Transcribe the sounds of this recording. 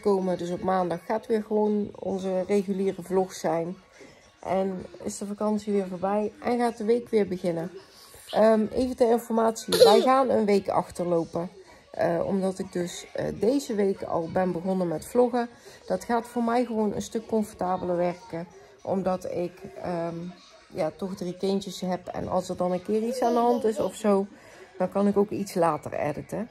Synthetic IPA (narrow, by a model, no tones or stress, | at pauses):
kowmədɵsɔpmaːndɑxːaːtʋɪːɹɣəʋownɔ̰nzərejɣyliːrəvlɔxsɛjn | ʔɛnɪ̰sdəvakɑnsiʋɪːɹvoːɹbɛjʔɛnɣaːt̚dəʋejkʋɪːɹbəɣɪnə | əejvətəɪnfɔɹmaːtsiʋɛjɣaːnənʋejkɑ̰xtəɹlowpə | ɔ̰mdɑtɪɡ̚dɵsdejzəʋejkɑ̰lˠbɛnbəɣɔnəmɛtflɔɣəd̥ɑtxaːtfʊːɹmɛjɣəʋownə̰nstɵkːɔɱfɔɹtaːbələɹʋɛɹkə | ʔɔ̰mdɑtɪkə | jaːtɔxdrikɪntəsɦɛpɛ̰nʔɑ̰lˠsəɹdɑnənkɪːritsaːndəɦɑntɪsɔfsow | d̥ɑnkɑnɪkowkitslaːtə̰rɛ̰dətə